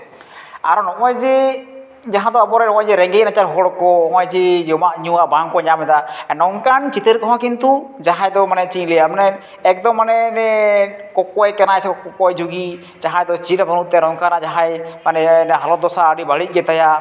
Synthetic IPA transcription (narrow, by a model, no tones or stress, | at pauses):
aɾɔnɔɔjd͡ʒɛ | d͡ʒaɦãd̪ɔabɔɾɛnɔɔjd͡ʒɛɾɛŋɡɛc̚nat͡ʃaɾɦɔɽɔkɔɔŋajd͡ʒijɔmaʔɲuwabaŋkɔɲamɛd̪aɛnɔŋkant͡ʃit̪əɾkɔɦãkint̪ud͡ʒaɦajd̪ɔmanɛt͡ʃiɲlɛjamanɛ | ɛk̚d̪ɔmːanɛnɛkɔkɔjkɛnajsɛkɔkɔkɔjd͡ʒuɡi | d͡ʒaɦajd̪ɔt͡ʃiɾabanut̪ːɛɾɔŋkanad͡ʒaɦajmanɛnɛɦalɔd̪ɔsaːɽibaɽic̚ˀɡɛt̪aja